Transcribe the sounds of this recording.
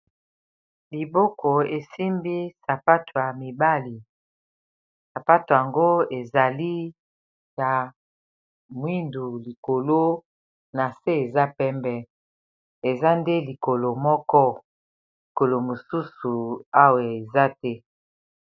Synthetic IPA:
li˨bɔ˦kʰo˨e˨si˦mbi˦sa˨pa˦tʰo˨ja˨mi˨ba˦li˨ | sa˨pa˦to˨ja˨ŋɡo˦e˨za˨li˦ | ja˨ | mwi˦ndu˨li˨ko˨lo˦ | na˨se˦e˨za˦pɛ˦mbɛ˦ | e˨za˦nde˦li˨ko˨lo˨mɔ˦kɔ˦ | li˨ko˨lo˨mo˨su˦su˨a˦wa˨e˨za˦tɛ˦

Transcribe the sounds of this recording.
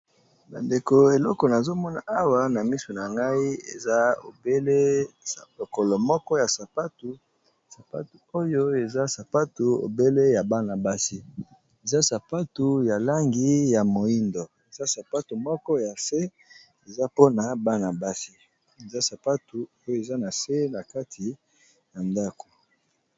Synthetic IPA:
ba˨nde˨ko˨e˨lɔ˦kɔ˨na˨zo˦mɔ˦na˨a˦wa˦na˨mi˦so˨na˨ŋɡa˦i˦ḛ˨za˦o̰˨be˦le˦ | lo˨kɔ˨lɔ˨mɔ˦kɔ˦ja˨sa˨pa˦tu˦ | sa˨pa̰˦tu˨o˦jo˦e˨za˦sa˨pa˦tu˨o̰˨be˦le˦ja˨ba˦na˨ba˦si˦ | e˨za˦sa˨pa˦tu˨ja˨la˦ŋɡi˦ja˨mo˨i˦ndɔ˨e˨za˦sa˨pa˦tu˨mɔ˦kɔ˦ja˨se˦ | e˨za˦po˦na˨ba˦na˨ba˦si˦ | e˨za˦sa˨pa˦tu˨˦o˦jo˦e˨za˦na˨se˦na˨ka˦tʰi˨ | ja˨nda˦ko̥˨

